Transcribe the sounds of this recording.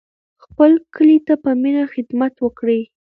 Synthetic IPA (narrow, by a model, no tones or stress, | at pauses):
xpəlkəlit̪apəminaxɪd̪mat̪wəkɽe